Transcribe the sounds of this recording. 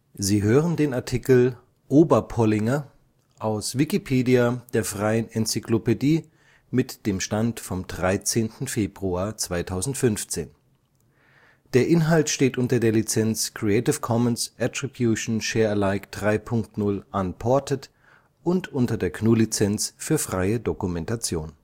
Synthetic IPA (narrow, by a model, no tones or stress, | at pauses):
ziːɦøːʁəndeːnaɐtʰikl̩ | ʔoːbɐpʰɔlɪŋɐ | ʔaʊsvikipʰeːdiad̥eːɐfʁ̥aɪənɛnt͡sikʰlopediː | mɪtd̥eːmʃtantfɔmdʁaɪt͡seːntn̩feːbʁuaːɐt͡sv̥aɪtʰaʊzn̩tfʏnft͡seːn | d̥eːɐʔɪnɦaltʃteːtʔʊntɐdeːɐlit͡sɛnt͡skʁ̥iɛɪtɪfkʰɔmənsʔɛtʁ̥ibjuʃn̩ʃɛːɐlaɪkd̥ʁaɪpʰʊŋktnʊlʔanpʰɔɐtət | ʔʊntʔʊntɐdeːɐkʰnuːlit͡sɛnt͡sfyːɐfʁ̥aɪədokumɛntat͡sjoːn